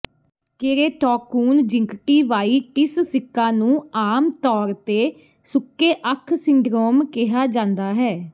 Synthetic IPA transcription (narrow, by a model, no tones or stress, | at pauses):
kɪɾeːʈɔːkuːnd͡ʒɪ̃ŋkʈiːʋaːiːkɪssɪkːãːnũːaːmt̪ɔːɾt̪eː | sʊkːeːʔəkʰsɪɳɖɾoːmkɪɦaːd͡ʒãːnd̪aːɦɛː